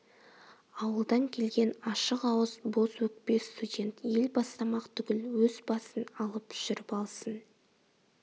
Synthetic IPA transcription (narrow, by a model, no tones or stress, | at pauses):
ɑwəlˠd̪ɑŋkʲʰe̞lɡʲe̞nɑʃəqɑwəzbo̞swɵk̚pe̞st̪udʲe̞nt̪je̞lbɑst̪ɑmɑqt̪ʰʏɡʲɪlwɵzbɑsənɑlˠəpʰʒ̥ɪɾɪpɑlˠsən